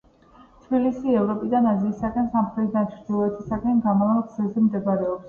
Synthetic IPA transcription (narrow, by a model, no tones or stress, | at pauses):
t̪ʰbilisiɛvɾɔpʼid̪anaziːsakʼɛnsamχɾɛt̪ʰd̪at͡ʃʰɾd̪ilˠɔɛt̪ʰisakʼɛnɡamavalˠɡzɛzɛmd̪ɛbaɾɛɔps